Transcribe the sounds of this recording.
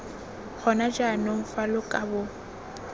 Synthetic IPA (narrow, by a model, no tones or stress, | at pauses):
k͡xʰɔnad͡ʒanoɱ̩falʊkʼabʊ